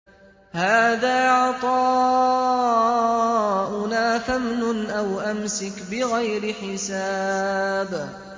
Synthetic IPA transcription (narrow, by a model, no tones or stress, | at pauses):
haːðaːʕɑt̪ˤɑː | ʔʊnaːθamnʊnʔawʔamsɪkbɪɣajɾɪħɪsa | b